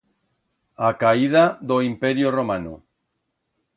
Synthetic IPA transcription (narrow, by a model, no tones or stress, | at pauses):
akaiðaðoimpeɾjoromano̰